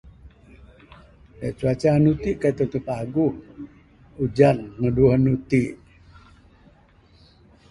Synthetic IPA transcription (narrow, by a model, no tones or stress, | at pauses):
daʔt͡ʃuat͡ʃanut̪iʔkat̪ənt̪upaɡuh | ud͡ʒanməduuɦənut̪iʔ